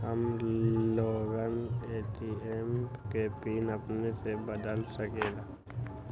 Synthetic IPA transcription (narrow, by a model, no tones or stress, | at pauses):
ɦəmloːɡəneːʈiːemkeːpiːnəpnesebəd̪əlsəkeːɡaː